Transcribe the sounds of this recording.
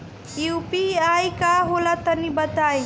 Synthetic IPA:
jupiajkaɦolat̪ənibət̪aj

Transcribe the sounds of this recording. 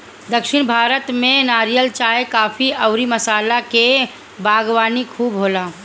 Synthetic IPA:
d̪ɐkʃɪɽ̃bʱaːɾət̪mẽnaːɾijəlt͡ʃaːekaːfiɐʊɾimɐsaːlake | baːɡwaːnikʰuːbɦoːlaː

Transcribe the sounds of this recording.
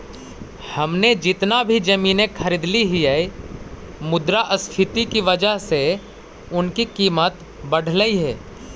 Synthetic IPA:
hɐmned͡ʒɪt̪nabʱid͡ʒɐmiːnekʰɐɾiːd̪liɦiai | mʊd̪ɾaʔəspʰɪt̪ikiʋəd͡ʒəɦse | ʊnkikiːmət̪ | bɐɽ̤ləiɦɛː

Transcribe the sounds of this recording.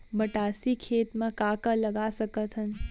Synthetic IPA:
mɐʈaːsikʰeːt̪mẽkaːkalɐɡaːsɐkət̪ɦən

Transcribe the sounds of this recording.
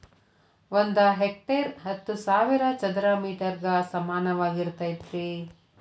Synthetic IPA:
ond̪ɐɦek̚ʈeɾɦɐt̪ːusaːʋiɾɐt͡ʃɐnd̪ɾaːmiːʈɐɾɡɐsɐmaːnɐʋaːɡiɾt̪ɐjit̪ɾi

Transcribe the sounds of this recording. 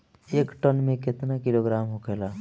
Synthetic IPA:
eːkʈənmẽkɪt̪nakiloɡɾaːmɦokela

